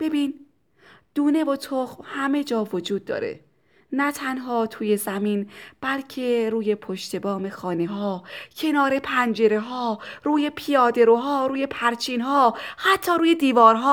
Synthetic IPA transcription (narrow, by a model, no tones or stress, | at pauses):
b̥e̞biːn | d̪̥uːne̞vot̪ʰoxmhæme̞d͡ʒɒːvod͡ʒuːd̪̚ːɒ̰ːɾḛ | næt̪ʰænɦɒːt̪ʰuːje̞zæmiːnb̥ælcʰe̞ɾuːje̞pʰoʃt̪ʰe̞bɒːme̞xɒːneɦɒːcʰe̞nɒːɾe̞pʰænd͡ʒe̞ɾe̞ɦɒːɾuːje̞pʰijɒːd̪e̞ɾoɦɒːɾuːje̞pʰæɾt͡ʃʰiːnhɒːhæt̪ʰːɒːɾuːjed̪iːvɒːɾɦɒː